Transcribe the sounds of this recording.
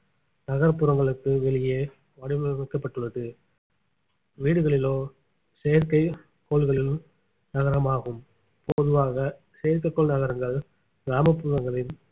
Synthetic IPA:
nɐɣɐɾɐpːʊɾɐŋɡɐɭɯkːɯʋɛɭɪjeː | ʋɐɽɪʋɐmɐɪkːɐpːɐʈːɯɭɐðɯ | ʋiːɽɯɣɐɭɪloː | sejɐɾkɐɪ | kːoːɭɣɐɭɪlɯm | nɐɣɐɾɐmaːɣɯm | pɔðɯʋaːɣɐ | sejɐɾkɐɪkːɔɭnɐɣɐɾɐŋɡɐɭ | ɡɾaːmɐpːuːɾɐŋɡɐɭɪl

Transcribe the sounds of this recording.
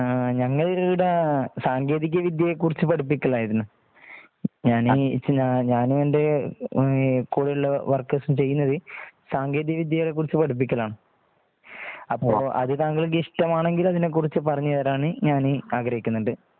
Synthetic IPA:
ɲɐŋːɐɭɽesaːŋɡe̞ːðik̬ʲːɐʋid̪jɐjekːurit͡ɕːɨpɐɽup̬ːikʲːɐɭːaːjɐðinɨ | ɲaːnɲaɲaːnuende | kuːɽɐjuɭːɐʋɐrkːɐsumt͡ɕe̞jːunːɐðɨsaːŋɡeːðijɐʋid̪jɐjɐɭek̬ːurit͡ɕːɨpɐɽup̬ːikʲːɐlaːɳɨ | ɐpːoːʔɐ̰ðɨt̪aːŋɡɐɭkːiʂʈɐmaːɳe̞ŋɡilɐðinek̬ːurit͡ɕːɨpɐrɐɲːɨɐɾaːɳɨɲaːnɨɐɡɾɐɦikʲːunːuɳɖɨ

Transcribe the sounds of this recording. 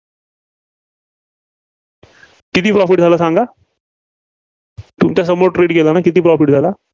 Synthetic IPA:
kit̪iːpɾɔfiʈ̚d͡zʱalasãŋɡa | t̪umt͡ɕas̬əmoʈɾeːʈkelanakit̪̬iːpɾɔfiʈ̚d͡zʱala

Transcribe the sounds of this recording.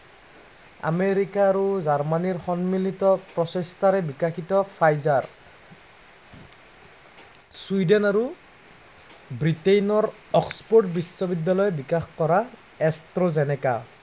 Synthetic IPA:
a̰meɹikaːɹuzaɹmaniɹxɔnmilitɔpɹɔsɔstʰaɹɛbikaxʰitɔpʰajzaɹ | swuidɛnaɹu | bɹitejnɔɹ | ɔkspoɹʈ̚bisːɔbidːalɔjɛbikaxkɔɹa | ɛstɹozɛnɛka̰

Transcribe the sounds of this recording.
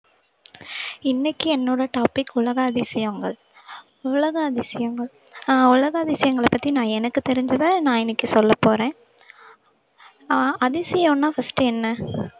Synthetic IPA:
ɪnːɛkːɯɛnːoːɽɐʈaːpɪkːʊɭɐɣɐɐðɪsɪjɐŋɡɐɭ | ʊlɐɣɐɐðɪsɪjɐŋɡɐɭ | ʊlɐɣɐːɐðɪsɪjɐŋɡɐɭɐpːɐt̪ːinãːɛnɐkːɯt̪ɛɾɪɲd͡ʒɐðaːnãːɪnːɪkːɯsɔlːɐpːoːɾẽː | ɐðɪsɪjõːnːãːfɐsʈɯɛnːɐ

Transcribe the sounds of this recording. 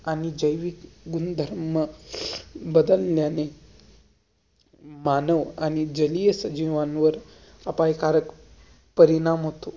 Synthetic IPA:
anid͡ʑəjʋikɡund̪ʱəɾmə | bəd̪əlːjane | manəʋañid͡ʑəlijəsəd͡ʑiʋanʋəɾ | apajkaɾək | pəɾinamɦot̪o

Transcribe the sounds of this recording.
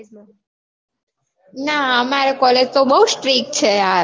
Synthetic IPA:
naəmaɾekɔled͡ʒt̪obəɦusʈɾiːk̚t͡ʃʰea

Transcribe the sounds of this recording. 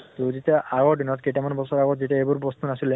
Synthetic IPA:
t̪uzitaʔaɡɔɹdinɔt̚ketamanbɔsɔɹaɡɔtzitiaebuɹpɔst̪unasile

